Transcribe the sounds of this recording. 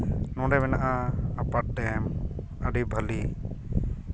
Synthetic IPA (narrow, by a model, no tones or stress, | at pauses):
nɔ̃ɖɛbɛnaʔaːpat̚ɖɛm | əɖibʱəli